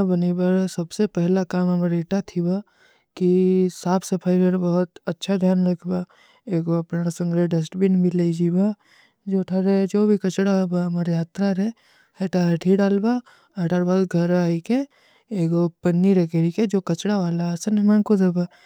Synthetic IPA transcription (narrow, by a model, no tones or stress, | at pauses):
abɐnibɐɾsɐbsepɛɦlakaːmɐmaɾeːʈat̪ʰiba | kisaːpʰsepʰaːɪbeɾbɐɦʊt̪ɐtːʃʰad̪ʱjaːnɾɐkʰba | eːɡoɐpnãsɐ̃ŋɡɾeɖɐs̬ʈbinbʱileid͡ʒiːba | d͡ʒoːʈʰaɾed͡ʒoːbʱikɐt͡ʃɽabamaːɾejaːt̪ɾaɾɛ | eʈaɐʈʰiɖaːlba | ɐɖaːɾbad̪ɡʱɐɾaːike | eːɡopɐnːiɾɐkeɾiked͡ʒoːkɐt͡ʃɽaʋaːlasɐnɪmaːnkod̪eba